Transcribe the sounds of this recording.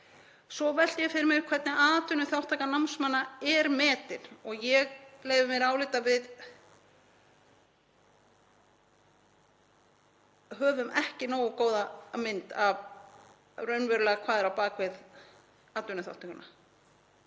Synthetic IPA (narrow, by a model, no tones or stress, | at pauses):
sɔvɛl̥t̪jɛfɪɾɪɾmɪɣkʰv̥ɛt̪nɪaːt̪ʏnʏθjawht̪ʰːaːkanamsmanːaɛɾmɛːt̪ɪnɔɣjɛɣleːjðʏmɛɾaːwlɪːt̪avɪð | ɦœːvʏmʔɛhcɪnoːwɔkoːwðamɪnt̪av | rœɥnvɛɾʏlɛːɣakʰvaːðɛɾawpaːkvɪð | aːt̪ʏnʏθja̰wht̪ʰakʏna